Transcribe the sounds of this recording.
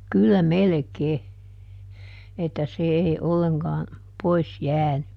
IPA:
kylːæ melĕkeː etːæ se eˑi olːeŋkɑː pois jæːny

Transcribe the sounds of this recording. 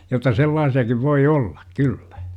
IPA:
jotˑɑ selːɑːsiɑkiʋ ʋoi olːɑ̥k kylːæ̥

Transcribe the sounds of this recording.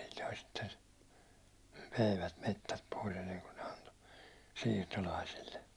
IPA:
si̥l̥ːo̥i̥ sitːen myiʋæt metːæt pois enːeŋku ne ɑnto siːrtolɑisilːe

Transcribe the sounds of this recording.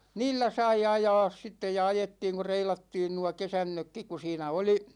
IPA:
niːlːæ sɑi ɑjɑːs sitːej jɑ ɑjetːiːŋ ku reilɑtːiːn nuɑ kesænːøkːik ku siːnæ oli

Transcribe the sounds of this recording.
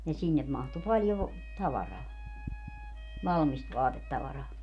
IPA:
ni sinːem mɑhtu pɑljoʋ tɑʋɑrɑː ʋɑlmist ʋɑːtetːɑʋɑrɑː

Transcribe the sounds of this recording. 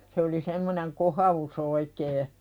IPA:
se oli semːoneŋ kohɑus oikeː

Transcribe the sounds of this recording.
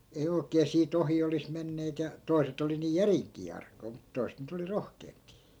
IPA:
ei oi̯keː siːt ohi olis menːeːt jɑ toi̯set oli niː jæriŋkˑiː ɑrkˑoi̯ mut toi̯set nyt oli rohkeːmpi̥ː

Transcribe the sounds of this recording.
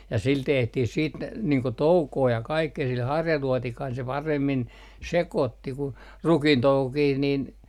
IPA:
jɑ sil tehtih siːt niːŋ ko toukoː jɑ kɑikːeː sil hɑrjɑluɔtikɑisel se pɑremːin sekoˑtːi ku rukintoukokih nin

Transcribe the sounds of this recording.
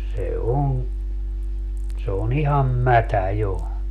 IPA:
se on se on ihɑm mætæ jo

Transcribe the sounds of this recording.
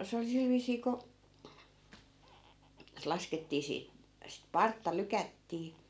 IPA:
se oli sil ʋiːsiː ko se lɑsketːiː siː sit pɑrtːɑ lykætːiː

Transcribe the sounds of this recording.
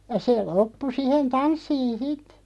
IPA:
jɑ seː lopːu sihen tɑnsːiːn̞ sit

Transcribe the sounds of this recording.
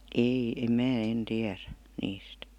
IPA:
ei em mæː en tiæræ niːst

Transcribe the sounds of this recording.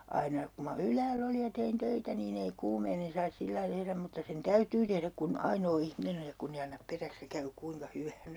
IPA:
ɑinɑ ku mɑ ylæːlː oli jɑ tein tøitæ niːn ei kuːmeinen̞ sɑis silːɑi tehræm mutːɑ sen tæytyː tehræk kun ɑinoː ihminen oj jɑ kunː ei ɑnːɑp peræks jɑ kæy kuiŋkɑ hyʋæːnsæ̥

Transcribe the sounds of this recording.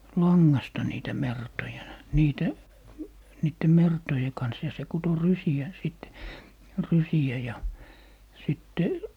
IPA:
lɑŋːɑstɑ niːtæ mertojɑ niːtæ niːtːe mertoje kɑns jɑ se kuto rysiæ siˑt rysiæ jɑ sitːe

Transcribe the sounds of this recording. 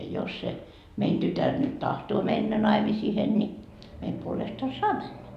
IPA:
jos se mein tytær nyt tɑhtoː menːæ nɑimisihen ni meim puolestɑ sɑː mænːæ

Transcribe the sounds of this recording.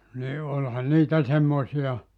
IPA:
ni olʲhɑn niːtæ semːoĭsiɑ

